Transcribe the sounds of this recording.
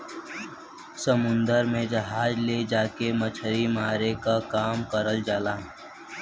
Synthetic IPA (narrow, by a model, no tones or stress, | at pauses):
səmʊ̃nd̪əɾmẽd͡ʒɐɦaːd͡ʒled͡ʒaːkemət͡ʃʰəɾimaːɾekakaːmkəɾəld͡ʒaːlaː